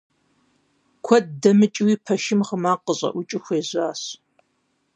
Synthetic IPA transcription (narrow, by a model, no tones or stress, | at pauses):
kʷʰɔd̚dɐmɨt͡ʃʼwiːpʰɐʃɪmχəmaːqəɕʼɐ̰ʔʷʊt͡ʃʼɪxʷeːʑaːɕ